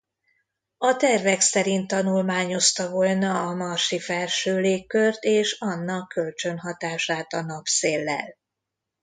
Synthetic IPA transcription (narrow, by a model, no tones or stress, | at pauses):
ɒt̪ɛrvɛksɛɾint̪ːɒnulmaːɲo̞st̪ɒvo̞lnɒːmarʃifɛlʃøːleːkːørt̪eːʃɒnːɒkːø̞lt͡ʃø̞nɦɒt̪aːʃaːt̪ɒnɒpseːlːɛ̰l